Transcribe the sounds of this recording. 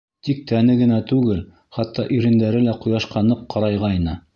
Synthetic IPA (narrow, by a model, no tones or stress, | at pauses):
t̪ik̚t̪ænɘɡɘ̆næt̪ʉɡɘl | χɑt̪ːɑʔɵ̆jɾɘ̆nd̪æɾɘlæqŏjɑʃqɑnɤqqːɑɾɑjʁɑjnɤ